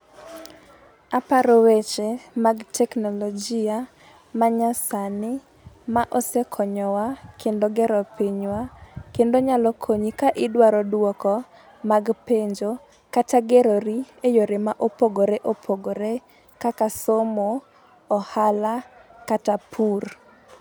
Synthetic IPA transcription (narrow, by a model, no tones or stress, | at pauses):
apaɾowet͡ʃemaɡtʰɛknɔlɔd͡ʒia | maɲasanɪ | maʔɔsekʰɔɲɔwakʰendoɡɛɾɔpiɲwakendoɲalɔkʰoɲikaʔɪdwaɾɔdwɔkɔ | maɡpeɲd͡ʒo | kataɡeɾoɾiejoɾemaʔopoɡoɾeʔopʰoɡoɾe | kakasomoː | halakatapʰur